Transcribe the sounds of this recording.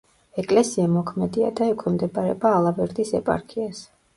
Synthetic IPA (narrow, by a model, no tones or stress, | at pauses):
ɛkʼlɛsiamɔkʰmɛd̪ia̰d̪aɛkʰwɛmd̪ɛbʼaɾɛ̰baːlˠabɛɾd̪isɛpʼa̰ɾkʰias